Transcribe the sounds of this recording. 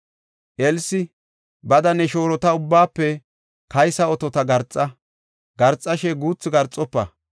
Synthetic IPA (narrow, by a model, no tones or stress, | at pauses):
ʔɛlsɪ | bɐd̪ɐnɛʃo̞ːɾɔt̪ɐʊbːaːpːɛ | kɐjsɐɔt̪ɔt̪ɐɡɐɾt͡sʼːɐ | ɡɐɾt͡sʼːɐʃɛɡuːt͡sːɪɡɐɾt͡sʼːɔpːɐ